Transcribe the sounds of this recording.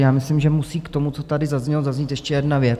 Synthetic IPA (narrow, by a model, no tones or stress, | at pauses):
jaːmɪslɪmʒɛmusiːkt̪o̞mut͡so̞t̪adɪzazɲɛlozazɲit̪jɛʃcɛjɛdnavjɛ